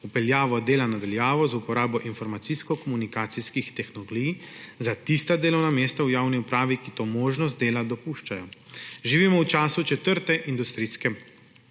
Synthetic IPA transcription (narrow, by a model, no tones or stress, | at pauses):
upɛljaːʋɔd̪eːlanad̪aljaːʋɔzupɔɾaːbɔʔinfɔɾmat̪siskɔkɔmunikaːt̪siskixt̪ɛxnɔlɔɡijzat̪ist̪ad̪eːlɔwnameːst̪awjaːwniupɾaːʋikit̪oːmoːʒnɔs̬t̪̚d̪eːlad̪ɔpuːʃt͡ʃajɔʒiʋiːmɔwt͡ʃaːsut͡ʃɛt̪əɾt̪ɛʔind̪ust̪ɾiːskɛ